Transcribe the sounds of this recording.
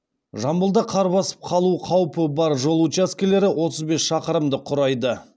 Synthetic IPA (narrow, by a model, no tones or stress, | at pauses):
ʒɑmbəlˠd̪ɑqʰɑɾβɑsə̥p̚qʰɑlˠuqʰɑwpəbɑɾʒo̞lˠut͡ʃaskʲele̞ɾɪwo̞t̪əzbe̞sʃɑqəɾəmd̪əqʰʊɾɑjd̪ə